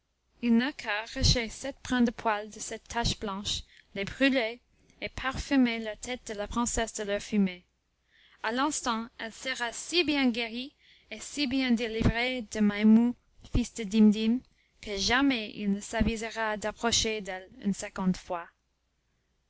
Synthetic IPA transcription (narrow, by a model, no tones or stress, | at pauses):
ilnəkʰaʁaʃesɛt̪̚pʁɛ̃d̪əpʰwald̪əsɛt̪ʰːaʃb̥lɑ̃ʃ | lebʁyle | epʰaʁfymelat̪ʰɛt̪̚d̪̥əlapχɛ̃sɛsd̪əlœfyme | alɛ̃st̪ɑ̃ɛlsəʁasibjɛ̃ɡeʁi | esibjɛ̃d̪elivʁed̪əmamu | fisd̪əd̪imd̪im | kəʒamɛḭlnəsavizəʁad̪apχɔʃed̪ɛly̰nsɛ̃ɡɑ̃d̪fwa